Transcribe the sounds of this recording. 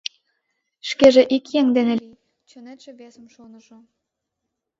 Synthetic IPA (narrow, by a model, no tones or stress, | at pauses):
ʃkeʒĕʔikjeŋd̪eneli | t͡ɕonet̪ʃĕβesəmʃonəʃo